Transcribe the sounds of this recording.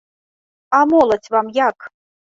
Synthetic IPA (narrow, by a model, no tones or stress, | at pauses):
amolˠətʰʲvamjak